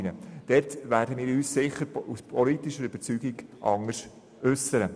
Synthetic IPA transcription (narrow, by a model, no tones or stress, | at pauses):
nəd̥ɛtʋæːɾdəmɪːɾyːssɪχəɾuspʰɔlitiʃəɾyb̥ət͡syːɡiɡʔɑŋəʃ | ʏsəɾə